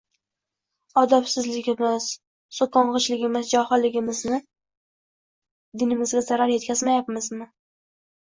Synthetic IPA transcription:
ɒd̪apsɪzlɪɡʲɪmɪz̥ | sokɒɴʁɨt͡ʃlɪɡʲɪmɪzd͡ʒɒhɨlɪɡʲɪmɪznɪ | d̪ɪnɪmɪzɡʲazaɾaɾje̞t̪̚kʲʰazmajapmɪzmɪ

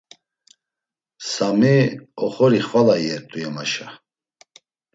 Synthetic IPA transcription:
samiɔχɔɾiχvalajɛɾt̪ʼujɛmaʃa

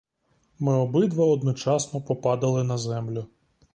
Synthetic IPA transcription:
mɪɔbɪd̪ʋɐɔd̪nɔt͡ʃɑsnɔpɔpɑd̪ɐlˠɪnɐzɛmlʲʊ

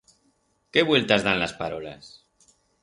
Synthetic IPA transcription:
keβwe̞lt̪azðanlaspaɾola̰s

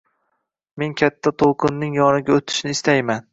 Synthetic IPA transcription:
me̞ŋkʲʰat̪ʰːat̪ʰolˠqʰɨnːɪŋjɒnɪɡʲaot̪ʰɪ̥ʃnɪːst̪ajman

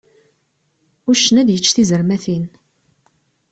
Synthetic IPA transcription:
ʊʃənæd̪jət͡ʃːθizəɾmæθin

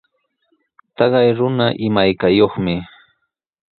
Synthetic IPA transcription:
t̪ɑɢɑjɾʊnaʔɪmajkajoχmɪ

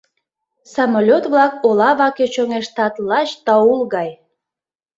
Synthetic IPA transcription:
sɑmolʲot̪βlɑkolɑβɑket͡ɕoŋeʃt̪ɑt̪lɑt͡ɕt̪ɑulɣɑj

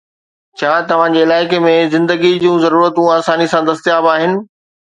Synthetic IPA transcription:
t͡ɕʰaːt̪ɐʋ̤ãd͡ʑeːɪlaːɪkemẽzɪ̃nd̪əɡid͡ʑũːzɐɾuːɾət̪ũaːsaːnisãd̪ɐst̪jaːbaːɦɪnɪ̆

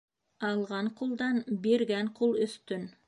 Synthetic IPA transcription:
ɑlˠʁɑɴqʰolˠd̪ɑnbeɾɡʲæɴqʰolˠɵst̪ʏn

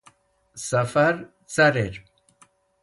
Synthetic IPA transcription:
sɐfɐɾ | t͡sɐɾeɾ

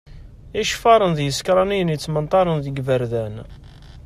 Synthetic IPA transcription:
iʃfɑɾˤənðjəskɾˤɑnijənjət͡sːmənt̪ˤɑɾˤənðəɡvəɾðæn

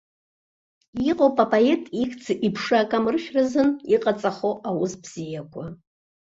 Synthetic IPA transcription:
iqʼopʼapʰʼae̞tʼikt͡sʰɨʔipʰʂaaːkʼamrɨʃᶣrazɨniqʼat͡sʼaχoʔawʊzbz̥ijakʷʰa

